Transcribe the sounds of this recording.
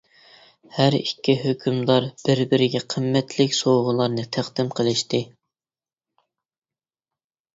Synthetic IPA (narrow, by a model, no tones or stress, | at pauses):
hæɾikʲːiɦøkʲʰymd̪ɑɾb̥ɪɾbɪɾɪɡʲɛqʰəmːɛt̪ʰlɪkʲsoʁʊlˠɑɾnɨt̪ʰæχd̪ɪmqʰəlˠɪʃt̪ɨ